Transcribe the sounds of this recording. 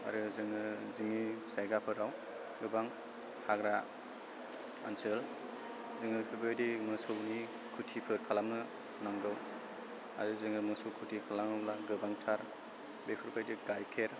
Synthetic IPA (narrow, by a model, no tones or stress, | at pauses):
a̰ɾɯzɯŋɯzimisajɡapʰɯɾaw | ɡɯbaŋ | haɡɾa | ansɯl | zɯŋɯpʰɯɾbajdimɯsɯwni | kʰutʰipʰɯɾkʰalamnɯ | naŋɡɯw | a̰ɾɯzɯŋɯmɯsowkʰutʰikʰalamɯmlaɡɯbaŋtʰaɾ | bepʰiɾbʰajdiɡajkʰeɾ